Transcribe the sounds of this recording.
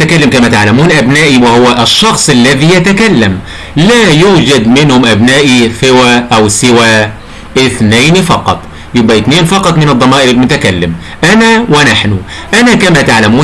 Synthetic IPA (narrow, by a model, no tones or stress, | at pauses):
t̪akælːɪmkæmæt̪aʕlamuːnʔæbnæːʔiwɪhʊwæʔɪʃːɑxsˤʔalːæðiːjat̪akælːæm | læːjuːd͡ʒæd̪mɪnhʊmʔæbnaːʔisɪwæːʔæwsɪwæː | ʔɪθneːnifɑqɑ̰t̪ˤ | jʊbːæʔɪt̪neːnfɑqɑt̪ˤmɪnɨd̪ˤːɑmɑːʔɪɾɪlmʊt̪akalːɪm | ʔænæwɪnaħnʊ | ʔænækæmæt̪aʕlamuː